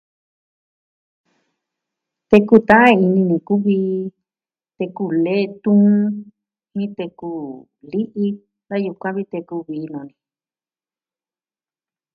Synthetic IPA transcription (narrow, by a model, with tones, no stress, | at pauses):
t̪e˧ku˦˨t̪ã˦ã˦i˧nĩ˧nĩ˧ku˦βiː˧˦ | t̪e˧ku˧˨le˦˧t̪ũ˦ | mĩ˦t̪e˧ku˧ | li˦ʔi˦ | a˦ju˧kʷã˦βi˦t̪e˧ku˧βiː˨˦nõ˨˧nĩ˧